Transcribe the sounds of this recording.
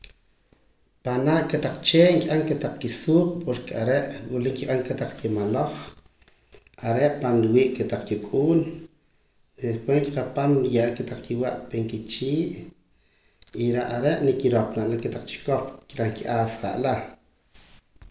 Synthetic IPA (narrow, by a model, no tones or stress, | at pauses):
panaʔket̪aq͡χt͡ʃeːŋkʲʼʔaŋket̪aq͡χkisuːppoɾkeaɾeʔwiliŋkiqaŋket̪aq͡χkimaloχ | aɾeʔpanɾwiːʔket̪aq͡χkikʼuːn | epweŋki̥qapamɾjaʔɾeket̪aq͡χkiwa̰ʔpeŋkit͡ʃiːʔ | iɾaʔaɾeʔnekiɾopnaʔlaket̪aq͡χt͡ʃi̥kop̚kiɾakiʔaːsχa̰ʔla